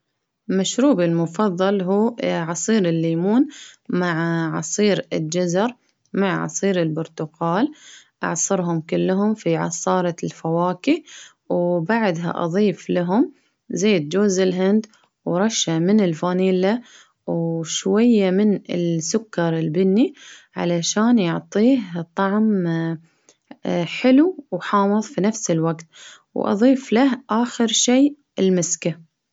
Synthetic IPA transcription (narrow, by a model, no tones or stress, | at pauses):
maʃɾuːbɪlmʊfɑðˤːɑlɦuːʕɑsˤiːɾɪlːiːmuːnmaʕʕɑsˤiːɾɪld͡ʒazɑɾˤ | maʕʕɑ̰sˤiːɾɪlbʊɾt̪ʊqɑːlʔɑ̰ʕsˤɑɾɦʊmkʊlːɦʊmfiʕɑ̰sˤɑːɾˤɑlfawaːki | wbaʕd̪ɦa̰ʔɑ̰ðˤiːflaɦʊm | zeːd̪̚d͡ʒoːzɪlɦɪnd̪ | wɾˤɑʃːamɪnɪlfaːniːla | wʃwajːamɪnɪ̰lsʊkːɑɾˤɪlbɪnːiʕa̰laʃaːnjʊʕt̪ˤiːht̪ˤːɑʕm | ħɪluwħɑːmɨðˤfinafsɪlwaɡt̪ | wʔɑ̰ðˤiːflahʔaːxɪɾʃeː | ɪlmɪska